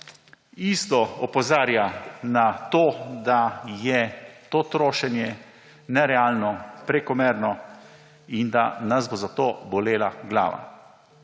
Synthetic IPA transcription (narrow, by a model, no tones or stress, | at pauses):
ist̪ɔɔpɔzaːɾjanat̪oːd̪ajɛt̪oːt̪ɾoːʃɛnjɛ | nɛɾɛaːlnɔpɾɛkɔmɛːɾnɔ | ind̪anazbozat̪oːbɔleːlaɡla̰ːʋa̰